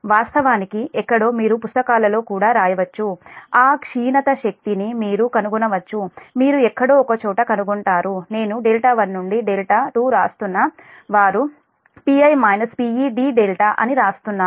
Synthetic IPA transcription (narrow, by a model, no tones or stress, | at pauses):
ʋaːst̪ɐʋaːnikiʔɛkːɐɽo̞ːmiːɾupust̪ɐkaːlɐlo̞ːkuːɽaːɾaːjɐʋɐt͡ʃːuaːkʂiːnɐt̪ɐʃɐk̚t̪inimiːɾukɐnuɡunɐʋɐt͡ʃːumiːɾuɛkːɐɽo̞ːkɐt͡ʃɔːʈɐkɐnuɡuɳʈaːɾune̞ːnuɖeːlʈaːʋɐnːuɳɖiɖeːlʈaːt̪uːɾaːst̪unːɐʋaːɾu | piɐjmɐjnɐspiːiːɖiːɖelʈaːʔɐ̰niɾaːst̪unːaː